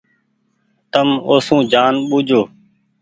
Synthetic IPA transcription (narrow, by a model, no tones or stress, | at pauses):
t̪əmoːsũːd͡ʒaːnɓud͡ʒʱoː